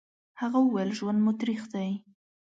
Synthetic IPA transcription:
haɣauwalʒwand̪mʊt̪ɾixd̪aj

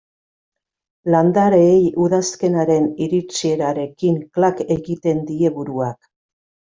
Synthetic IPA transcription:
land̪aɾejuðaske̞naɾe̞niɾit͡sie̞ɾaɾe̞kiŋklake̞ɣit̪e̞nd̪ie̞βuɾuak

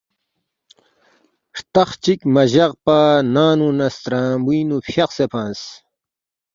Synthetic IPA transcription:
ʂt̪ɐχt͡ɕikmɐʑɐʁpanaːnunɐst̪ɾãːbuːnupʰjɐqsepʰãːns

